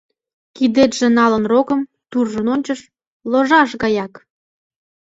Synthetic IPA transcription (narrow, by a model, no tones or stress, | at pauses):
kid̪et̪ʒ̥ĕnɑlənrokəm | t̪urʒənonʲt͡ɕəʃ | loʒɑʃɣɑjɑk